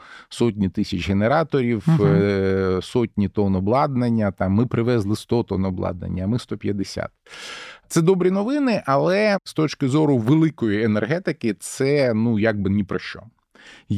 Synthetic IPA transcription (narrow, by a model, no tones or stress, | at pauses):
sɔtʲnʲit̪ɪsʲɐt͡ʃɦeneɾɑt̪ɔɾʲiw | sɔtʲnʲit̪ɔnɔblˠɑd̪nɐnʲːɐt̪ɑmːɪpɾɪʋɛzlˠɪst̪ɔt̪ɔnɔblˠɑ̰d̪nɐ̰nʲːɐːmɪst̪ɔpʲjɐd̪esʲa̰t̪̚t̪sɛd̪ɔbɾʲinɔʋɪnɪʔɐlˠɛst̪ɔt͡ʃkɪzɔɾʊʋelˠɪkɔjienerɦɛt̪ɪkɪt̪sɛnujaɡ̚bɪnʲipɾɔʃt͡ʃɔ̰